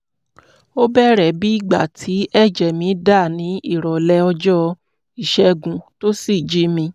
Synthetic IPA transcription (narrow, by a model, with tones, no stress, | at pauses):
o˦bɛ˦ɾɛ˦˨bi˦i˦˨ɡ͡ba˨tʰi˨˦ɛ˦˨d͡ʒɛ˨mĩ˨˧˦da˦˨nĩ˨˦i˦˨ɾɔ˨lɛ˧˦ɔ˧d͡ʒɔ˦ | i˦˨ʃɛ˧ɡũ˨to˦si˦˨d͡ʒi˦mĩ˧